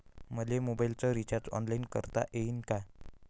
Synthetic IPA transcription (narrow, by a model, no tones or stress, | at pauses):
məlemobailt͡səɾit͡ɕaɾd͡zɔ̰nlainkə̰ɾt̪a̰ʔeinka